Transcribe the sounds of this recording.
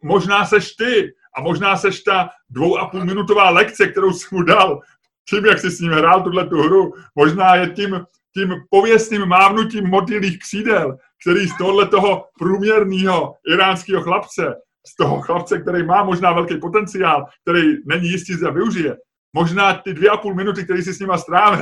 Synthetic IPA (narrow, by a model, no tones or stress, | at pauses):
mo̞ʒnaːsɛʃt̪ɪ | ʔamo̞ʒnaːsɛʃt̪a | dvo̞wʔapuːlmɪnut̪o̞vaːlɛkt͡sɛk̚t̪ɛɾowsɪ̥mudal | ciːmjaksɪsɲiːmɦɾaːlt̪udlɛt̪uɦɾumo̞ʒnaːjɛcim | cimpo̞vjɛst̪niːmːaːvnuciːmːot̪̬jɪliːxkr̥iːdɛl | k̚t̪ɛɾiːst̪oɦodlɛt̪o̞ɦo̞pɾuːmɲɛɾniːɦo̞ʔɪɾaːnskiːɦo̞xlapt͡sɛ | st̪o̞ɦoxlapt͡sɛk̚t̪ɛɾɛjmaːmo̞ʒnaːvɛlkɛjpo̞t̪ɛnt͡sɪaːlk̚t̪ɛɾɛjnɛɲijɪstcɪzdavɪuʒɪjɛ | mo̞ʒnaːt̪ɪdvjɛʔapuːlmɪnut̪ɪk̚t̪ɛɾiːs̬ɪsɲɪmast̪ɾaːvɪ